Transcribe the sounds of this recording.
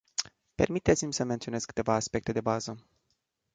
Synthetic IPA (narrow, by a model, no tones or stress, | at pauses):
pe̞̰rmit̪e̞t̪simʲsəment̪ione̥kɨ̥t̪e̞vaːspe̞k̚t̪e̞d̪e̞bazə